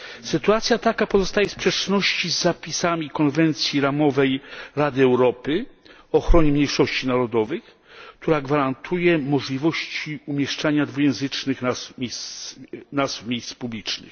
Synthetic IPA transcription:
sɘt̪uat̪sʲjat̪akapɔzɔst̪ajɛspʂɛt͡ʂnɔɕt͡ɕizːapʲisamʲikɔnvɛnt̪sʲjiɾamɔvɛjɾad̪ɘɛwɾɔpɘ | ɔxɾɔɲɛmɲejʂɔɕt͡ɕinaɾɔd̪ɔvɘx | kt̪ʰuɾaɡvaɾant̪ʰujɛmɔʐlʲivɔɕt͡ɕiumʲjɛʂt͡ʂaɲad̪vujɛ̃w̃zɘt͡ʂnɘxnazmʲejs | nazfmʲjejspublʲit͡ʂnɘ̰x

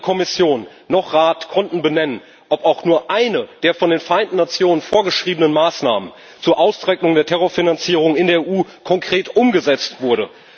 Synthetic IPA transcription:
kʰɔmɪsjoːnː | ɔχʁaːtkʰɔntn̩bənɛnən | ʔɔpaʊxnuːɐʔaɪnəd̥eːɐfɔndeːnfɛɐʔaɪntn̩nat͡sjoːnənfoːɐɡəʃʁ̥iːbənənmaːsnaːmən | t͡suːɐʔaʊst͡sʁ̥ɛknʊŋdeːɐtʰɛʁoɐfinant͡siːʁ̞ʊŋɪndeːɐeʔuːkʰɔŋkʁ̥eːtʔʊmɡəzɛt͡stv̥ʊɐɾə

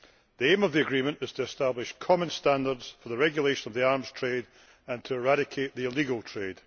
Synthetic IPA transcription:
ðiẽməvðiəɡɹimə̃nʔɪz̥tʰəɪstablˠɪʃkʰɔmə̃nstãndə˞dz̥fə˞ðəɹɛɡjəlˠeʃə̃nəvðiaɹmz̥tʰɹ̥ed | ə̃ntʰəɪɹaɾɪkʰeʔðiɪlˠiɡəlˠtʰɹ̥ed̥

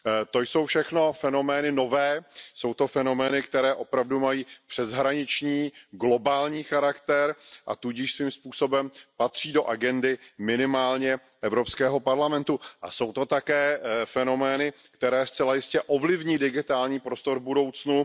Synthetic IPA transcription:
t̪o̞jso̞wfʃɛxno̞fɛno̞mɛːnɪnovɛːso̞wt̪o̞fɛno̞mɛːnɪkt̪ɛɾɛːʔo̞pɾavdumajiːpr̝̥ɛzɦɾaɲɪt͡ʃɲiːɡlo̞baːlɲiːxaɾakt̪ɛɾʔa̰t̪uɟɪʃsviːmspuːso̞bɛmpat̪r̝̥iːdo̞ʔaɡɛndɪmɪnɪmaːlɲɛ | ʔɛvɾopskɛːɦo̞paɾlamɛnt̪uʔa̰so̞wt̪o̞t̪akɛːfɛno̞mɛːnɪ | kt̪ɛɾɛːst͡sɛlajɪscɛʔovlɪvɲiːdɪɡɪt̪aːlɲiːpɾo̞st̪o̞ɾvbudo̞wt͡snu

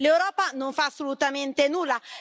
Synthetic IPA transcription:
lewɾɔːpanõɱfaːsːolut̪ament̪enuːla

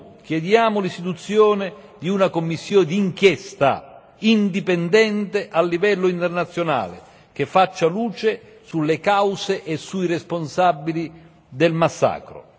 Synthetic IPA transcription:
kjɛd̪jaːmʊlist̪it̪ut̪sːjɔːnɪ | d̪iunakomːisːjoːnɪd̪iŋkjɛst̪a̰ | ind̪ipɛnd̪ɛnt̪eʔalːivɛlːʊint̪ɛrnat̪sːjona̰ːlɪ̰ | k̟efːat͡ʃːaluːt͡ʃe | sulːekawseʔesːuiresponsabːili | d̪ɛlmasːa̰ːkɾʊ̰

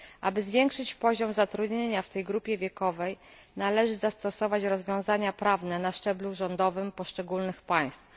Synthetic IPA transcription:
ʔa̰bɘzvʲjɛŋkʂɘt͡ɕpɔʑɔmzat̪ɾud̪ɲeɲaft̪ɛjɡɾupʲjɛvʲjɛkɔvɛj | nalɛʐɘzast̪ɔsɔvat͡ɕɾɔzvʲjɔ̃w̃zaɲapɾavnɛnaʂt͡ʂɛbluʐɔnd̪ɔvɘmpɔʂt͡ʂɛɡulnɘxpaj̃st̪f

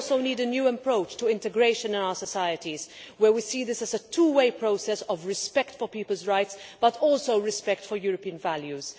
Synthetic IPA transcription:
lsoʊniːdənjuːə̃mpɹoʊt͡ʃtuɪ̃ntɛɡɾeɪʃə̃nɪ̃naʊə˞səsaɪətizwəwisiːðɪsæzətʰuːweɪpɹoʊsɛsɔvɹɪspɛktfɔpiːpəlzɹaɪtsb̥ɐtʰɔːlsoʊɹɪspɛktfɔɹjuːɾəpiːə̃nvæljuz̥

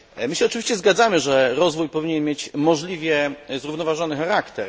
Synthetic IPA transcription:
mɘɕɛɔt͡ʂɨvʲiɕt͡ɕɛzɡad̪zamɘʐɛɾɔzvujpɔvʲiɲɛnmjet͡ɕmɔʐlʲivʲjɛzɾuvnɔvaʐɔnɘxaɾakt̪ɛɾ

